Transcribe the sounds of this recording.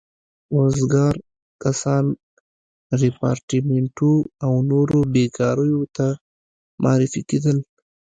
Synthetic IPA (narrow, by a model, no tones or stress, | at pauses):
ɾozɡɑɾ | kasɑn | ɾipɑɾʈimeɳʈuawnoɾobekɑɾəjot̪a | mʔɑ̰ɾifiked̪əl